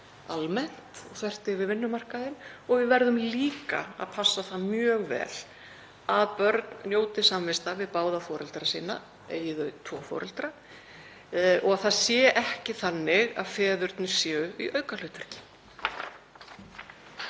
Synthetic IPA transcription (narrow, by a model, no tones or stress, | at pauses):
almɛn̥t̪ɔθvɛr̥t̪ɪɣvɪðvɪnːʏmar̥kaðɪnɔɣvɪðvɛɾðʏmliːka̰a̰ðpʰasːaθaðmjœːɣvɛ̰ːl̥ | aðpœɾt̪nnjoːwt̪ɪsamvɪst̪avɪðpaːwðafɔːɾɛlt̪ɾasiːna̰ | ḛːjɪðœt̪ʰvɔːfɔ̰ːɾɛ̰lt̪ɾa | ɔɣaθaðsjɛːʔɛhcɪθanːɪɣa̰ðfɛːðʏɾt̪nʏ̥sjɛːʏiʔœːɥkal̥ʏːt̪ʏɾ̥cɪ̥